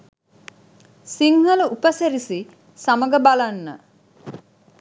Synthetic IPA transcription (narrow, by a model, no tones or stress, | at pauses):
siŋhəluʔupəseɾisi | saməɡəbalanːə̰